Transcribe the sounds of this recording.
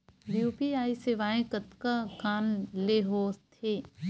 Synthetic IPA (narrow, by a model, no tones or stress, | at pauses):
bjuːpiaːiseʋaːẽkət̪kakaːnleɦoːt̪ʰeː